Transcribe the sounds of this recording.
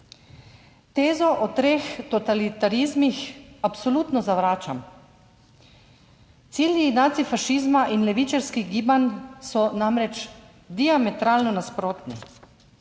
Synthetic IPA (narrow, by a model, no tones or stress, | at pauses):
t̪eːzɔʔɔt̪ɾeːxt̪ɔt̪alit̪aɾizmixapsɔluːt̪nɔzaʋɾaːt͡ʃam | t̪siːljinat̪sifaʃiːzmaʔinlɛʋit͡ʃaɾskiɣɡiːbansɔnamɾɛt͡ʃ | d̪iamɛt̪ɾaːlnɔnaspɾoːt̪nḭ